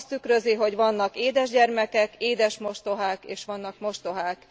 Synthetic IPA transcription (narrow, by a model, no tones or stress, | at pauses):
st̪ykɾø̞ziɦo̞ɟʋɒnːɒkeːd̪ɛʒɟɛrmɛkɛkeːd̪ɛʃmo̞ʃt̪oɦaːkḛːʃʋɒnːɒkmo̞ʃt̪o̞ɦaːk